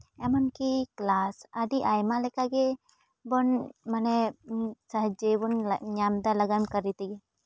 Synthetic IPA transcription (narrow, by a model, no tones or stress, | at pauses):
ɛmənkiklasaɖiʔajmalɛkaɡɛ | bɔnmanɛ | səɦd͡ʒebunɲamd̪aləɡamkəɾːit̪iɡɛ